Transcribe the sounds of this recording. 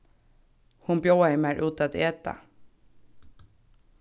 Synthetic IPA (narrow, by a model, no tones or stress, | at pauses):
hʊnbjoːɛɪmæɹʔʉːt̪at̪eːt̪a̰